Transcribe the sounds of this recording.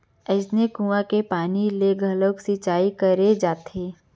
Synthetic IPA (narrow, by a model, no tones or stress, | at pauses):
əsnekũãkepaːnileɡʱəloksit͡ʃaːikəɾed͡ʒaːt̪ʰeː